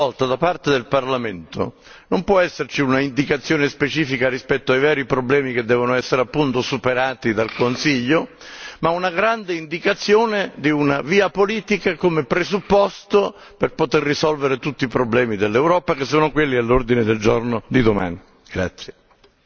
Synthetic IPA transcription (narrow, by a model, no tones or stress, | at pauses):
ɔlt̪ad̪apart̪ed̪elparlament̪o̰ | nompwɔɛsːert͡ʃiunaind̪ikat̪sːjoːnespet͡ʃiːfikarispɛt̪ːoajvɛːɾipɾoblɛːmiked̪ːɛːvonoɛsːeɾeapːunt̪osupeɾaːt̪id̪alkonsiʎːo | maunaɡɾand̪eind̪ikat̪sːjoːned̪iunaviːapoliːt̪ikakomepɾesupːɔst̪o | perpot̪erːisɔlveɾet̪ut̪ːiːpɾoblɛːmid̪elːewɾɔːpakesːoːnokwelːialːord̪ined̪eld͡ʒornod̪id̪oma̰ːni | ɡ̥ɾa̰t̪sːje